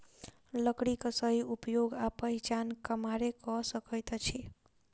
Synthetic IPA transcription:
lʌkɽikʌsʌɦiupjoɡapʌɦit͡ʃankəmaɾekʌsʌkʌjt̪ʌt͡ʃʰi

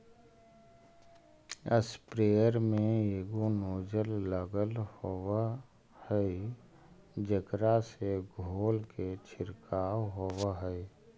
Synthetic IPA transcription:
əspɾeːəɾmẽeːɡonoːd͡ʒəlːəɡəlhowa | hɛi | d͡ʒəkɾaseɡʱoːlket͡ʃʰɪɾkaːwɦowaɦəi

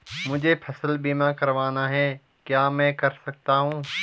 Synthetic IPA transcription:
mʊd͡ʒʱepʰɐsəlbimãkɐɾʋaːnaɦɛ | kjaːmɛ̃ːkɐɾsɐk̚t̪aɦũː

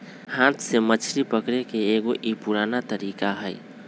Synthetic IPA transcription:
hãːt̪semət͡ʃʰɾipəkɾekeeɡoʔipuɾaːnat̪əɾiːkaɦəɪ

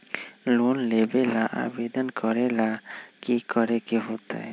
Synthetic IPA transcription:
lonlebelaʔa̰bed̪ɔnkʰɔɾelakikɔɾekiɦot̪a̰j

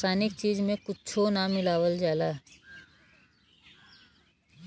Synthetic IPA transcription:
saːnɪk̚t͡ʃiːd͡ʒmẽkʊt͡ʃʰonamɪlaːwəld͡ʒaːla

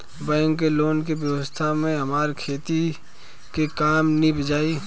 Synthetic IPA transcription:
bɛ̃ːŋkːeloːnk̬ibjəwəst̪ʰamẽɦɐmaːɾkʰeːt̪i | kekaːmnibʱəd͡ʒaːi

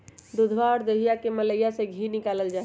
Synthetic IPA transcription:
d̪ud̪ʱʋaɔɾd̪əɦijakemələjasẽɡʱinɪkaləld͡ʒa

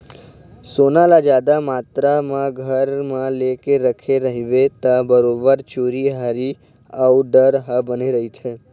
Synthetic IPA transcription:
sonalad͡ʒad̪amat̪ɾamãɡʱəɾmãlekeɾəkʰeɾəɦiʋet̪abəɾobəɾt͡ʃoɾiɦaɾi | auɖəɾɦabəniɾəɦit͡ʃʰe

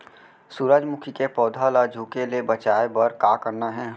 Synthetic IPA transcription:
suɾaːd͡ʒmʊkʰikepɔːd̪ʱalaːd͡ʒʱukeliebət͡ʃaːebəɾkakəɾnaɦɛ̃ː

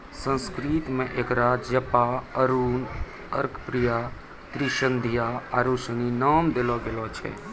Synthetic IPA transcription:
sə̃nskɾiːt̪mẽʔekɾad͡ʒəpaəɾuːn | ə̰ɾkʰpɾija | k̪ɾɪʃənd̪ʱijaaɾuʃəninaːmd̪ɪlɔɡelot͡ʃʰɛ̰

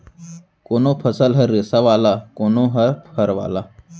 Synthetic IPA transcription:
koːnoːpʰɐsəlɦɐɾɾesaʋaːlaːkoːnõːɦɐɾpʰɐɾʋa̰ːlaː

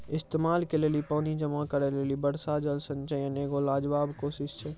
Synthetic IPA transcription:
ɪst̪eːmaːlkeleːlipəːnid͡ʒəmakəɾeleːlibəɽsad͡ʒəlsə̃nt͡ʃəjəneːɡolaːd͡ʒʋaːbkoːsɪʃt͡ʃʰɛː

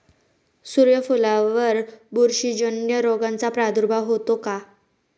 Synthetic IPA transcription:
suɾjəfulaʋəɾbuɾɕid͡ʑənjəɾoɡãnt͡sapɾad̪uɾbʱaɦot̪oka

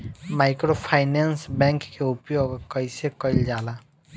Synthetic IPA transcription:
maɪkɾopʰaɪnensbɛ̃ŋkːeupjoɡkəɪsekəɪld͡ʒala

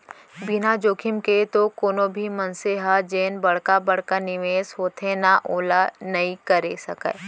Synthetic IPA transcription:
bɪnad͡ʒoːkʰɪmket̪okoːnobʱimɐnseɦad͡ʒeːnbɐɽ̤kabɐɽ̤kanɪʋeːsɦoːt̪ʰenaʔoːlanɐikɐɾesɐkɛ̰ː

